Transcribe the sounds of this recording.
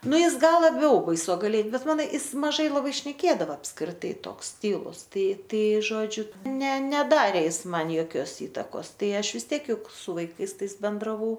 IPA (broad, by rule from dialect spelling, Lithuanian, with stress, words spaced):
ˈnʊ ˈjɪs ˈɡɐlˠ lˠɐˈbʲɛʊ bɐɪsoːɡɐˈlʲiɛ ˈbʲɛt ˈmɑːnoː ˈɪs mɐˈʒɐɪ lˠɐˈbɐɪ ʃʲnʲɛˈkʲeːdɐʋɐ ɐpskrʲɪˈtɐɪ ˈtoːks ˈtʲiːlˠʊs ˈtɐɪ ˈtɐɪ ˈʒoːd͡ʒʲʊ ˈnʲɛ ˈnʲæːdɐrʲeː ˈjɪs ˈmɐn joːˈkʲoːs ˈiːtɐkoːs ˈtɐɪ ˈɐʃ ʋʲɪs ˈtʲiɛk ˈjʊk sʊ ʋɐɪˈkɐɪs ˈtɐɪs bʲɛndrɐˈʋɐʊ